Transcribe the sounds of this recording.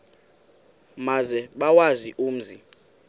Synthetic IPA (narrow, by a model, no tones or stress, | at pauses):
mazɛɓawaziʔuːm̩zi